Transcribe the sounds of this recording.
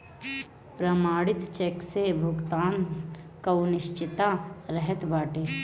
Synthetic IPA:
pɾəmaːɽɪt̪t͡ʃeksebʱʊɡt̪aːnkaunɪʃt͡ʃɪt̪aɾɛɦɛt̪baːʈeː

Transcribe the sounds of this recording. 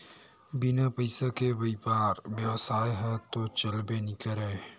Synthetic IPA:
bɪnapəɪsakebɐipaːɾbjəʋsaːjɦɛt̪ot͡ʃɐlbenɪkəɾɛ

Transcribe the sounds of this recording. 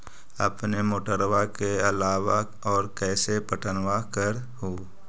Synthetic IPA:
ə̰pnemoːʈəɾwakeɐlaːwa | ɔːɾkɛːsepəʈənwakəɾ | ɦoː

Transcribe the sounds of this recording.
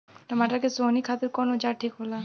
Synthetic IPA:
t̪ɔmaʈakesonikʰat̪eɾkɔnod͡ʑaɾʈʰikɦola

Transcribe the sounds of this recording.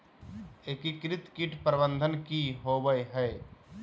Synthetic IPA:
ekikɾɪt̪kɪʈpɾəbə̃nd̪ʱənkiɦoːbəjɦɛː

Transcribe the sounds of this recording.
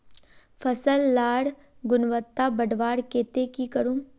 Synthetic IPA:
fʰəsəlːaːɽ | ɡʊnʋət̪ːabəɖʋaːɽkeːt̪ekikəɾũː

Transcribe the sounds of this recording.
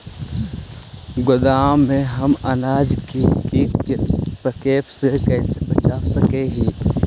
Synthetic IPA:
ɡʊd̪aːẽɦɐmɐnaːd͡ʒkikikepɾəkeːpsekɛːsebɐt͡ʃaːwsɐkeɦiː

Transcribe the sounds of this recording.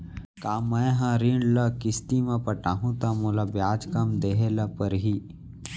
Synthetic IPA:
kaːmːɐ̃jɦãɾiɳɖlɐkɪst̪imɐ̃pɐʈaːɦũt̪amolabjaːd͡ʒkɐmd̪eːɦelɐpəɾɦi

